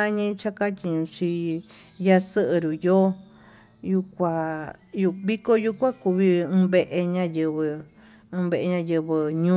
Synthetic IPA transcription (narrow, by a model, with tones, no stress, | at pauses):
a˦ɲĩ˧t͡ʃa˦ka˦t̪ʲi˧ɲũ˧t͡ʃi˧ | ja˧sɨ˦ʔɨ˧ɾu˨joː˦ | ju˧kʷa˧ju˧βi˦ko˦ju˧kʷa˦ku˧βi˧ɨ̃ː˧βe˧ʔe˧ɲã˦jɨ˧βɨ˧ | ɨ̃˧βe˧ʔe˧ɲã˧jɨ˧βɨ˧ɲũ˦